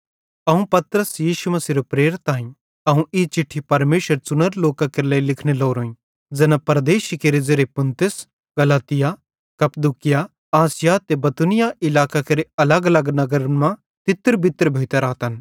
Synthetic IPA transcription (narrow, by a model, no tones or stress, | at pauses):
ɐũpɐt̪ɾəsjiːʃumɐsiːɾopɾeːɾt̪ːãːĩ | ɐũʔɪt͡ʃɪʈʰːipɐɾmeːʃəɾt͡sʊnəɾloːkakeɾleilɪkʰneloːɾoːĩ | d͡zɐnãpɐɾɐd̪eːʃkeɾed͡zeɾepʊnt̪ɪs | ɡɐlaːt̪ɪja | kɐpd̪ukɪja | aːsɪjat̪ebɐt̪unɪjaʔɪlaːkakeɾeɐləɡɐləɡnɐɡəɾmã | t̪ɪt̪ːəɾbɪt̪ːɾbʱeːt̪ɐɾaːt̪ɐn